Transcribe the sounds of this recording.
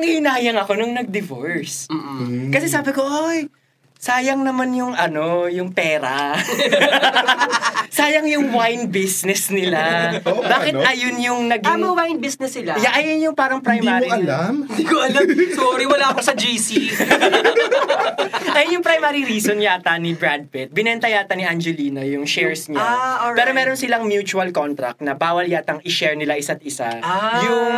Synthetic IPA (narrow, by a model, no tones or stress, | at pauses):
ɐŋɪhɪnaːjɐŋɐko̞nʊŋnɐɡ̚d̪ɪvoɹs | kɐsɛsaːbɪko̞ʔoj | saːjɐŋnɐmanjʊŋʔɐno̞jʊŋpɛːɾɐ̰ | saːjɐŋjʊŋwajnbisnɛsnɪlabaːkɪt̪ʔɐjonjʊŋnɐɡmɐwajnbisnɛsɪlajaʔɐjɐnjʊŋpaːɾɐŋpɾɐjmaːiɐlamd̪iɡoɐlasoɾiwɐlakosɐd͡ʒisi | ʔɐjɐnjʊŋpɾɐjmaːɾiɾiːsonjat̪ɐnɪbɾad̪̚fɛt̪̚bɪnɛnt̪ɐjaːt̪ɐnɪʔand͡ʒɛliːnojʊŋʃɛɹsɲaopɛːɾomɛːɾonsɪlaŋmjuːt͡ʃuɐlkont̪ɾɐ̰k̚t̪nɐbaːwɐljat̪ɐŋʔɪʃɛɹnɪlaʔɪsat̪̚ɪsajʊŋ